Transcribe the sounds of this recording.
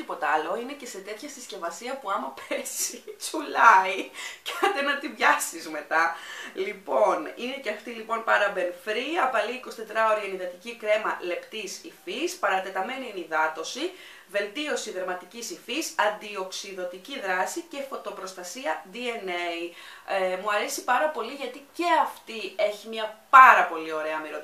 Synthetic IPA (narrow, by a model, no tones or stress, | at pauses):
ipo̞t̪ɐlo̞inece̞se̞t̪e̞t̪çɐst̪isce̞vɐsiɐpuɐmɐpezit͡sulɐicɐnd̪enɐt̪ivʝɐsizme̞t̪ɐlipo̞nine̞ceɐft̪ilipo̞npɐɾɐbe̞nfɾiɐpɐliiko̞si̥t̪e̞t̪ɾɐo̞ɾiɐeniðɐt̪icikɾe̞mɐle̞pt̪isifispɐɾɐt̪e̞t̪ɐme̞niiniðɐt̪o̞si | ve̞lt̪io̞siðeɾmɐt̪icisifisɐnd̪io̞ksiðo̞t̪iciðɾɐsice̞fo̞t̪o̞pɾo̞st̪ɐsiɐd̪ieneiemuɐɾe̞sipɐɾɐpo̞liʝɐt̪ice̞ɐft̪ie̞çimɲɐpɐɾɐpo̞lio̞ɾe̞ɐmiɾo